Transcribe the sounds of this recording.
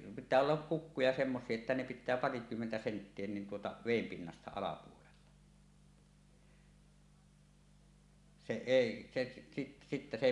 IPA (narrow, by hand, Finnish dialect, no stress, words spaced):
pitˑæː olːɑk kukːujɑ semːosˑie etːæ ne pitˑæː pɑrikymːentæ sentːie nin tuotɑ ʋeˑim pinːɑstɑ ɑlɑpuolelːɑ se eˑi se si sitːæ se